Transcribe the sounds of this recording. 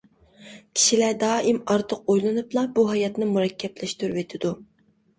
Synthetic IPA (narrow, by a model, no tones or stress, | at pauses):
kʲʰi̥ʃilæɾd̪ɑːʔimɑɾt̪ʰəq̚ojlˠɨnɨplˠɑbuɦɑjɑt̪nɨmuɾɛkʲʰːɛblɛʃt̪yɾvet̪ʰɪd̪u